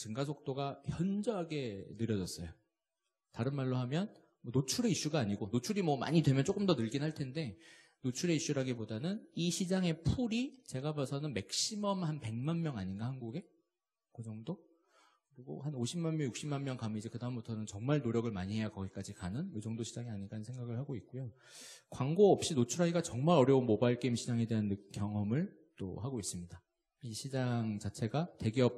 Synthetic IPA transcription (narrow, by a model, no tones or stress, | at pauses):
t͡ɕɯŋɡasʰok̚t͈oɡaçjʌnd͡ʑʌɦaɡe̞nɯɾjʌd͡ʑʌs͈ʌjo | taɾɯnmaɭːoɦamjʌn | mʌnot͡ɕʰuɾe̞iɕ͈uɡaːɲiɡonot͡ɕʰuɾimwʌma̰ɲidwe̞mjʌnt͡ɕ͈ok͈ɯmdʌnɯɭɡinɦaɭtʰe̞nde̞ | not͡ɕʰuɾe̞iɕ͈uɾaɡibodanɯniɕʰid͡ʑaŋe̞pʰuɾit͡ɕe̞ɡabasʰʌnɯnmek̚ɕ͈imʌmhanpe̞ŋmanmjʌŋaɲinɡahanɡuɡe̞ | kɯd͡ʑʌŋdo | kɯɾiɡo̰hanoɕʰimanmjʌŋjuk̚ɕ͈ʰimanmjʌŋkamid͡ʑekɯdaɯmbutʰʌnɯnt͡ɕʌŋmaɭnoɾjʌɡɯɭmaɲiɦe̞jakʌɡik͈ad͡ʑikanɯnjɯd͡ʑʌŋdoɕʰid͡ʑaŋiaɲiɡanɯnsʰe̞ŋɡaɡɯɭhaɡoik͈ujo | kwaŋɡoʌp̚ɕ͈inot͡ɕʰuɾaiɡat͡ɕʌŋmaɾʌɾjʌunmobaɭk͈eimɕʰid͡ʑaŋe̞de̞ɦanːɯk͈jʌŋɦʌmɯɭ | t͈o̰haɡois͈ɯmɲida | iɕʰid͡ʑaŋt͡ɕat͡ɕʰe̞ɡate̞ɡiʌp̚